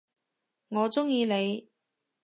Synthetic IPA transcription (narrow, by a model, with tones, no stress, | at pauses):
ŋɔː˨˧t͡sʊ˥ŋjiː˧ne˨˧j